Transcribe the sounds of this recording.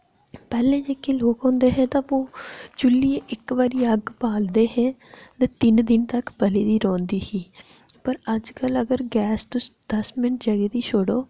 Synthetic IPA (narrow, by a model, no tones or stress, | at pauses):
pɛːlẽːd͡ʒekːeːloːkɦɔ̃ːnd̪eːɦɛ̃ːt̪ãːoːd͡ʒʊlːiːeʔɪkʋaːɾiːəɡpaːld̪eːɦɛ̃ːt̪ɛːt̪ɪnd̪ɪnt̪əkbəliːd̪iːɾɔ̃ːnd̪iːsiː | pəɾəd͡ʒkələɡəɾɡɛːst̪ʊsd̪̥əsmɪnəʈd͡ʒəɡeːd̪iːʃoːɽoː